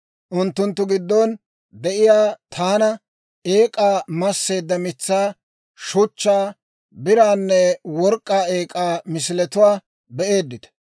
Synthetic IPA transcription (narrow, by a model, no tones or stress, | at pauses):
ʔʊnt̪ːʊnt̪ːʊɡɪd̪ːɔn | d̪ɛʔɪjaːt̪ʰaːnɐ | e̞ːkʼaːmɐsːe̞ːd̪ːɐmɪt͡sːaː | ʃʊt͡ʃːaː | bɪɾaːnːɛwɔɾkʼːaːe̞ːkʼaːmɪsɪlɛt̪ʊwaː | bɛʔe̞ːd̪ːɪd̪ɐ̥